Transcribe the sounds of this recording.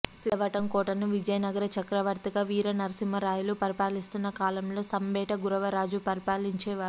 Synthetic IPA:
siɐʋɐʈɐmkɔːʈɐnuʋid͡ʒɐjɐnɐɡɐɾɐt͡ʃɐkɾɐʋɐɾt̪ɐɡaːʋiːɾɐnɐɾɐsimɐɾaːjulupɐɾipaːlist̪unːɐkaːlɐmlo̞ːsɐmbɛːʈɐɡuɾɐʋɐɾaːd͡ʒupɐɾipaːliɲt͡ʃɛːʋaː

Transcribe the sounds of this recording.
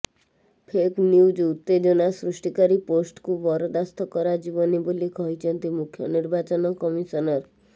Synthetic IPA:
pʰeknjud͡ʒut̪ːed͡ʒɔnasɾusʈikaɾiposʈkubɔɾɔd̪ast̪ʰɔkɔɾad͡ʒibɔnebolikɔɦit͡ʃʰɔnt̪imukʰːjɔniɾbat͡ʃɔnɔkɔmisɔnɔɾ

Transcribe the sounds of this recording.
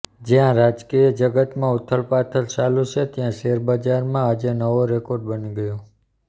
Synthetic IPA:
d͡ʒjãɾad͡ʒkiəd͡ʒəɡət̪mãut̪ʰːəɭpat̪ʰəɾt͡ʃalut͡ʃʰet̪jãʃeɾbəd͡ʒaɾmãad͡ʒenəʋoɾekoɾɖ̚bəniɡəjo

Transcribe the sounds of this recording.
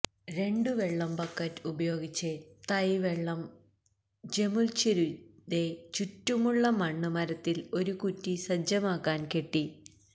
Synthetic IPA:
ɾe̞ɳɖɨʋe̞ɭːɐmpɐkːɐtːubɐjo̞ːɡit͡ɕːet̪ɐjʋeɭːɐm | d͡ʑe̞mult͡ɕiɾutet͡ɕutːumuɭːɐmɐɳːɨmɐɾɐt̪ːilo̞ɾukutːisɐd͡ʑɐmaːkːaːnkeʈːi

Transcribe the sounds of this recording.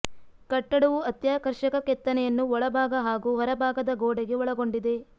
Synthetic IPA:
kɐʈːɐɽɐʋuɐt̪jaːkɐɾʃɐkɐkɛt̪ːɐnɛjɐnːuɔɭɐbʱaːɡɐɦaːɡuɦɔɾɐbʱaːɡɐd̪ɐɡoːɽeɡe̞ɔɭɐɡo̞ɳɖid̪e̞

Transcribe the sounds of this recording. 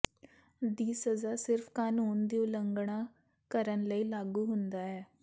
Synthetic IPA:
d̪iːsəzaːsɪɾfʰkaːnuːnd̪iːʊləŋɡɳaː | kəɾənləiːlaːɡuːɦʊnd̪aːɛː

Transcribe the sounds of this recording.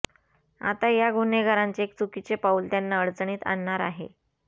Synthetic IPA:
a̰t̪ajaɡʱuneɡʱəɾaɲt͡seːk̚t͡sukit͡sepault̪janːaəɽt͡sɳiːt̪a̰nːaɾa̰ɦḛ

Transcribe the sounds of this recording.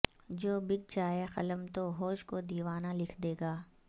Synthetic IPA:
d͡ʒoːbɪk̚d͡ʒaːexɐləmt̪oɦoːʃkod̪iːʋaːnalɪkʰd̪eːɡaː

